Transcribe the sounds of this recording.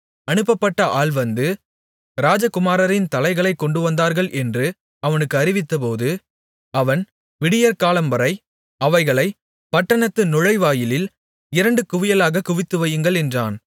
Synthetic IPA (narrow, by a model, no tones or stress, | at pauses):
ɐnɯpːɐpːɐʈːɐʔaːɭʋɐnd̪ɯ | ɾaːd͡ʒɐkʊmaːɾɐɾɪnt̪ɐlɐɪɣɐɭɐɪkːɔɳɖɯʋɐnd̪aːɾɣɐɭʔɛndrɯ | ɐʋɐnɯkːɯɐɾɪʋɪt̪ːɐpoːðɯ | ɐʋɐn | ʋɪɽɪjɐɾkaːlɐmbɐɾɐɪ | ɐʋɐɪɣɐɭɐɪ | pɐʈːɐɳɐt̪ːɯnʊɻɐɪʋaːjɪlɪl | ɪɾɐɳɖɯkʊʋɪjɐlaːɣɐkʊʋɪt̪ːɯʋɐjɯŋɡɐɭɛndraːn